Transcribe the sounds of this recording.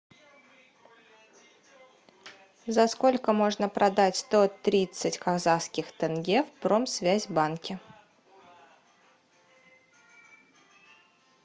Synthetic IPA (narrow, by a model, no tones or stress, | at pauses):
zɐsko̞lʲkəmo̞ʐnəpɾɐd̪atʲst̪o̞t̪ɾʲit̪sɨtʲkɐɣzaskʲɪxt̪ɛnɡʲefpɾo̞msvʲæzʲbankʲɪ